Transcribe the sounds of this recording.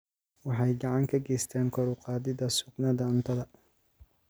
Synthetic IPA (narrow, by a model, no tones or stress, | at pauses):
wɑħɑjɡɑʕɑŋkʰɐɡɛjst̪ʰɛːŋkʰɔɾʊqɑːðɪðɐsʊɡnɐðɐʊnt̪ʰɐðɐ